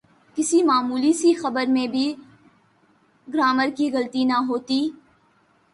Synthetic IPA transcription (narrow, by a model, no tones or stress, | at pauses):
kɪsimaːmuːlisixɐbəɾmẽbʱi | ɡɾaːməɾkiɣɐlt̪inɐɦoːt̪iː